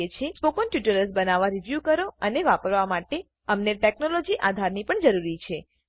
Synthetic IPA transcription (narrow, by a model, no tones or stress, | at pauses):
et͡ʃʰespokonʈjuʈələsbənaʋaɾiʋjukəɾoəneʋapəɾʋamaʈe | əmneʈeknolod͡ʒiʔad̪ʱaɾnipəɳd͡ʒəɾuɾit͡ʃʰe